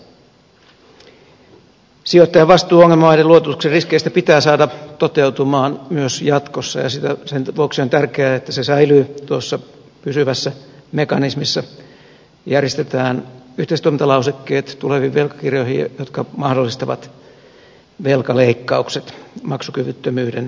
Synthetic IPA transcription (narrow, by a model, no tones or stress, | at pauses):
siot̪ːɑjɑʋʋɑst̪uːoŋːelmɑʋɑideluot̪ut̪ukseriskeist̪æpit̪æːsɑːdɑt̪ot̪e̞ut̪umɑːnmyøsjɑt̪kosːɑ̰jɑsit̪æsenʋuoksiont̪ærkeæet̪ːæsesɑilyːt̪uosːɑ | pysyʋæsːæmekɑnismisːɑ | jærjest̪et̪æːnyht̪eˑist̪uoment̪ɑlɑusekːeːt̪t̪uleʋiʋʋelkɑ̥kirjoihijot̪kɑmɑhdolːist̪ɑʋɑ̰t̪ | ʋelkɑleikːɑukset̪mɑksukyʋyt̪ːømyːden